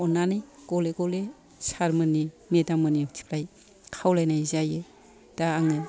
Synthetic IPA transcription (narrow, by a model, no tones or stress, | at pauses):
ɔnanɯjɡ̥ɔleɡɔle | saɾmɯni | medamɯnitʰi̥pʰlaj | kʰawlajnajzajɯ | d̥aaŋɯ